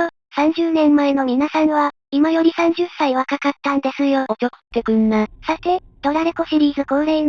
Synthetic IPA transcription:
o | sãɲ̟d͡ʑɨːnẽ̞mːae̞no̞mʲinasãɰ̃βa | imajo̞ɾʲisãɲ̟d͡ʑɨsaiβakakat̪ːãnd̪e̞sɨjoot͡ɕoko̥t̪ːeɡɯ̟nːasat̪e̞t̪o̞ɾaɾeko̞ɕiɾʲiːzɨkõɾein

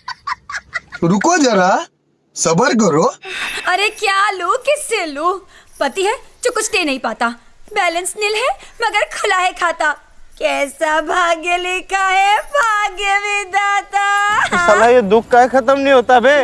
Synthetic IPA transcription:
ɾʊkod͡ʒɐɾa | sɐbəɾk̬əɾoɐɾekjaːluːkɪseluːpɐt̪iɦɛd͡ʒoːkʊt͡ʃʰʈeːnɐɦĩpaːt̪aː | bɛːlə̃nsnɪlɦɛmɐɡəɾkʰʊlaːɦekʰaːt̪aː | kɛːsabʱaːɡelɪkʰaɦɛbʱaːɡebʱid̪aːt̪aʊsalajed̪ʊkʰːaikʰɐt̪̬əmnəĩɦoːt̪abe

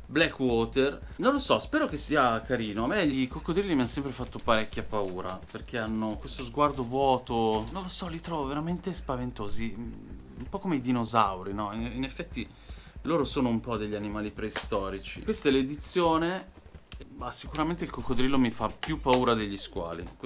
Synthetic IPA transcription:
blɛkːwɔːt̪er | nõnlosɔspɛːɾokesːiːakaɾiːnoameʎikokːod̪ɾilːimiansɛmpɾefat̪ːopaɾɛkʲːjapauːɾaperk̟ʰeanːokwest̪ozɡward̪ovwɔːt̪onõnlosɔlit̪ɾɔvoveɾament̪espavent̪oːzi | umpɔkomeid̪inozawɾinɔininefːɛt̪ːi | loːɾosoːnoumpɔd̪eʎːianimaːlipɾeist̪ɔːɾit͡ʃḭkwest̪aɛled̪it̪sːjoːne | masikuɾament̪eilkokːod̪ɾilːomifapjupːauːɾad̪eʎːiskwa̰ːlḭk

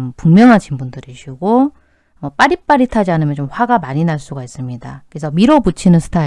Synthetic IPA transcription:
mpuŋmjʌŋɦaɕʰinbundɯɾiɕʰiɡo | ʌp͈aɾip͈aɾitʰad͡ʑiɦanɯmjʌnt͡ɕomɸwaɡamaɲinaɭs͈uɡais͈ɯmɲidakɯesʰʌmiɾobut͡ɕʰinɯnsʰɯ̥tʰai

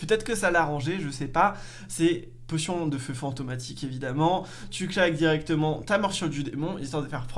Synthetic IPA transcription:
pøt̪ɛt̪χəkəsalaʁɑ̃ʒeʒəsɛpa | sɛ | posjɔ̃d̪əføfɑ̃t̪omat̪ikevid̪amɑ̃ | t̪yklak̚d̪iʁɛkt̪əmɑ̃t̪amɔʁsyʁd̪yd̪emɔ̃ḭlsɑ̃d̪əfɛʁpχ

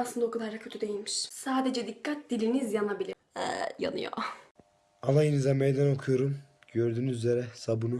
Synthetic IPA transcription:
aslˠɯnd̪aokʰulˠaɾakʰøt̪ʰyd̪e̞jilʲmiʃsaːd̪ed͡ʒɛd̪ikʰːat̪̚d̪̥ilʲinizjanabilʲi | ɛ̰ja̰nɯ̰jo̰ | anajinizamejd̪ano̞kʰujoɾumɟøɾd̪yːnyzyze̞ɾɛsabunu

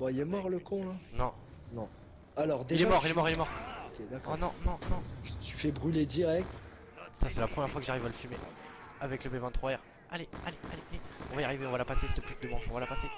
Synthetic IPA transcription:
bailɛmɔʁləkɔ̃lãnɔ̃ | nɔ̃ | alɔʁd̪eilɛmɔʁilɛmɔʁilɛmɔʁokʲed̪akɔnɔ̃nɔ̃nɔ̃t̪y̥fɛbʁyled̪iʁɛk̚t̪ | t̪asɛlapχəmjɛʁfwakəʒaʁivaləfyme | avɛkləbɛvɛ̃t̪χwaɛʁ | alealea̰leʔaleɔ̰̃vaiaʁiveɔ̃valapasesɛt̪əpyt̪̚d̪əmɑ̃ʃɔ̃valapase

